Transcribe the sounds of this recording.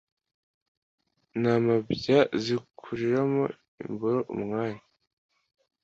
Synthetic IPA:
namabjazikʰuɾiɾamo̰ | ḭmboɾo̞ʔṵmŋaːɲa

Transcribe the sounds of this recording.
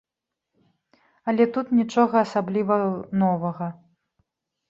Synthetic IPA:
ɐlʲɛt̪ut̪nʲit͡ʂɔɣɐːsablʲivɐnɔvɐɣɐ

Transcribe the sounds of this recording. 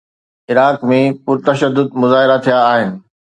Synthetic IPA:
ɪɾaːkmẽpʊɾt̪ɐʃəd̪ːʊd̪mʊzaːɦɪɾat̪ʰijaːɦɪnɪ̆

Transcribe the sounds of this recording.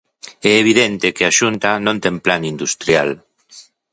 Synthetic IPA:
ɛeβ̞iðɛnt̪ɪkɪaʃunt̪anõnt̪ɛŋplanind̪ust̪ɾjal

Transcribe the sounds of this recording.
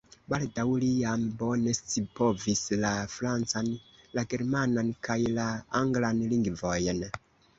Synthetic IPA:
baldawlijambo̞ne̞st͡sipo̞vislafɾant͡sanlaɡe̞ɾmanankajlaaŋɡlanliŋɡvojen

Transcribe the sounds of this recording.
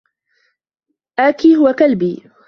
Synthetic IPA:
ʔaːkiːhʊwakalbiː

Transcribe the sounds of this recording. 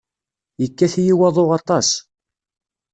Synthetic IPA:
jəkːæθjiwɑðˤoʁɑt̪ˤɑs

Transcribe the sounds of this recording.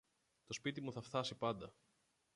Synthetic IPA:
t̪o̞spit̪imuθɐft̪ɐsipɐnd̪ɐ

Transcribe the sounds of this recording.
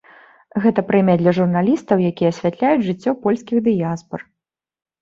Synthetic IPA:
ɣɛt̪ɐpɾɛmʲɐd̪lʲɐʐurnalʲist̪ɐwjakʲijɛɐsʲvʲat̪lʲajud͡zʲʐɨt͡sʲːɔpɔlʲsʲkʲiɣd̪ɨjaspɐr

